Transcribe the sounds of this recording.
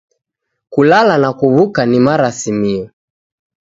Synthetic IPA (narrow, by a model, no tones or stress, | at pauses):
kulalanakuβukanimaɾasimiɔ